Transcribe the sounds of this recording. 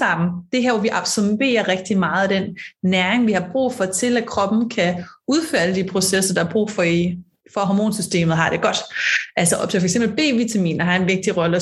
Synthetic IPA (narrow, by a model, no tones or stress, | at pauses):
ɑ̈m̰n̩d̥e̝ɦæɐʋɒʋiʔɑb̥sɒbe̝̰ːɐʁɛɡ̥̚d̥imɑ̈ːð̞̩ˠd̥enːæɐeŋʋihɑ̈b̥ʁṵːfɒ̽t͡sʰe̝lækʰʁɒ̽b̥n̩kʰæuð̞ˠføːɐd̥əd̥ipʰʁo̝sesɐd̥ɑ̈hɑ̈b̥ʁṵːfɒ̽i | fɒ̽ɦɒmo̝ːnsysd̥e̝̰ːmð̩ˠɦɑ̈d̥e̝ɡ̥ɒ̽d̥ʔælsəɒb̥̚t͡sʰe̝fɒeɡsemb̥l̩b̥e̝̰ːʋit͡sʰæmḭːnɐɦɑ̈e̝nʋe̝ɡ̥̚d̥iʁɒ̽lə